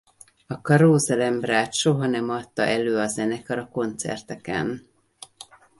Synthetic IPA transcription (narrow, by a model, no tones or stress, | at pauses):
ɒkɒɾoːzɛlɛmbraːt̪ʃo̞ɦɒnɛmɒt̪ːɒ̰ʔɛløːɒzɛnɛkɒɾɒko̞nt̪sɛ̰rt̪ɛkɛ̰n